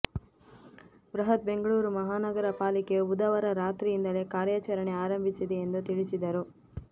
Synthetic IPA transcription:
bɾɐɦɐt̪̚be̞ŋɡɐɭuːɾumɐɦaːnɐɡɐɾɐpaːlikeud̪ɐʋɐɾɐɾaːt̪ɾiind̪ɐle̞kaːɾjaːt͡ʃɐɾɐɳeaːɾɐmbʱisid̪eːnd̪ut̪iɭisid̪ɐɾu

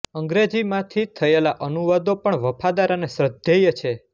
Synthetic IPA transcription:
əŋɡɾed͡ʒimãt̪ʰit̪ʰəelaʔənuʋad̪opəɳʋəpad̪aɾanesɾəd̪ʱejət͡ʃʰe

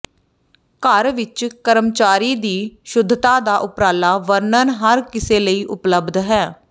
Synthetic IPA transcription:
kəɾʋɪt͡ʃkəɾəmt͡ʃaːɾiːd̪iːʃʊd̪ʱt̪aːd̪aːʔʊpɾaːlaːʋəɾnəɾɦəɾkɪseːləiːʔʊpləbd̪ɦɛː

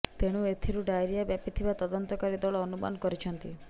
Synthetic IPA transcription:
t̪eɽ̃uet̪ʰiɾuɖajɾijabjapit̪ʰibat̪ɔd̪ɔnt̪ɔkaɾid̪ɔɭɔːnuma̰nɔkɔɾit͡ʃʰɔnt̪i

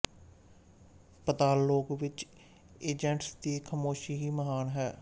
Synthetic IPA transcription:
pət̪aːlːoːkʋɪt͡ʃ | eːd͡ʒəɳʈsd̪iːkʰəmoːʃiːɦiːməɦaːnɦɛː

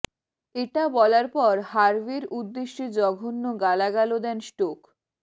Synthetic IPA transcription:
eʈabɔlaɾpɔɾhaɾbiɾud̪ːeʃːed͡ʑɔɡʱonːoɡalaɡalod̪ɛnsʈok

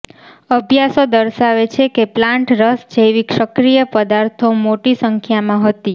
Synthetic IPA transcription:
əbʱjasod̪əɾʃaʋet͡ʃʰekeplãɳʈɾəsd͡ʒejʋikʃəkɾijəpəd̪aɾt̪ʰomoʈisəŋkʰjamãɦət̪i

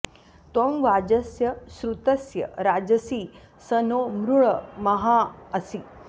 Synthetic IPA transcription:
t̪omʋad͡ʑɐsjɐsɾut̪ɐsjɐ̰ɾad͡ʑɐsiː | sənomɾuɭəmɐɦaːsi

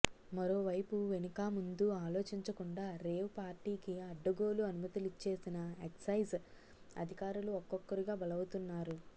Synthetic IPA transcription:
mɐɾo̞ːʋɐjpuʋenikaːmund̪uaːlo̞ːt͡ʃiɲt͡ʃɐkuɳɖaːɾe̞ːwpaːɾʈiːkiɐɖːɐɡo̞ːluɐnumɐt̪ilit͡ʃːe̞ːsinɐeksɐjz | ɐ̰d̪ʱikaːɾuluɔkːɔkːɐɾiɡaːbɐlɐwut̪unːaːɾu

